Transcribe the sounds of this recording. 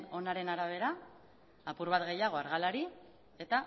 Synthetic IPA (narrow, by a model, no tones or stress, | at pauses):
no̞naɾe̞naɾaβ̞e̞ɾaː | puɾβat̪ɣe̞jaɣ̞o̞aɾɣalaɾi | e̞t̪a